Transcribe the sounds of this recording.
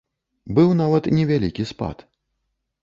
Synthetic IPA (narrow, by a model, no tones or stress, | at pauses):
bɨwnavɐt̪nʲɛvʲalʲikʲispa̰t̪